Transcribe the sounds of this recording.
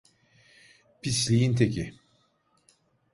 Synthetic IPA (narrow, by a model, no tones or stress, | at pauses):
pʰislʲijint̪ʰecʰi